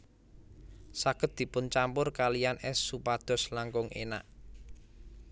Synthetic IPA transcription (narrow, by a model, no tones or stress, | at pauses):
saɡ̥ə̤t̪̚d̪̥i̤pʊnt͡ʃampʊrkalijanɛsːupad̪̥ɔ̤slaŋkʊŋʔḛna̰ʔ